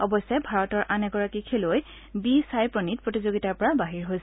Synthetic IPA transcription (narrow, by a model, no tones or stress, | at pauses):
ɔbɔsɛbʱaɹɔtɔɹʔanɛɡɔɹakikʰeloj | bisajpɹonit̚pɹotizoɡitaɹpɔɹabaɦiɹɦojs